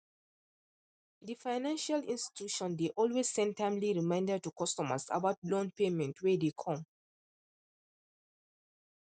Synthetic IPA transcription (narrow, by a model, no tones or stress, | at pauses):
difaɪnãnʃalĩnsti̥tjuʃɔ̃ndeʔɔlwez̥sɛ̃ntãmliɹimãɪ̃ndəd̚tukɔstɔmə̰sa̰valõnpemɛ̃ntʰwedekʰɔ̃m